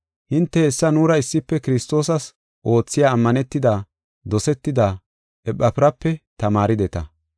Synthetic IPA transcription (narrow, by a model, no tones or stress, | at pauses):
hɪnt̪ːɛːɛsːɐnuːɾɐɪsːɪpːɛkɪɾɪst̪o̞ːsɐs | ʔo̞ːt͡sːɪjaːmːɐnɛt̪ːɪd̪a | d̪ɔsɛt̪ːɪd̪a | ʔɛpːɐpɪɾɐpːɛt̪ɐmaːɾɪd̪ɛt̪ɐ